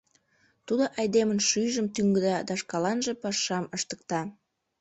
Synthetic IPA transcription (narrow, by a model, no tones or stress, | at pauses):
t̪ud̪oʔɑjd̪emənʃyjʒəmt̪yŋɡəd̪ɑd̪ɑʃkɑlɑnʒĕpɑʃɑməʃt̪ə̥k̚t̪ɑ